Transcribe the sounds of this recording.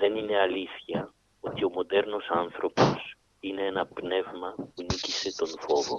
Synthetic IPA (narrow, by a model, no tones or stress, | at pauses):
ðe̞nine̞ɐliθçɐ | o̞t̪io̞mo̞d̪e̞ɾno̞sɐnθɾo̞po̞s | ine̞enɐpne̞vmɐpunicise̞t̪o̞nfo̞vo̞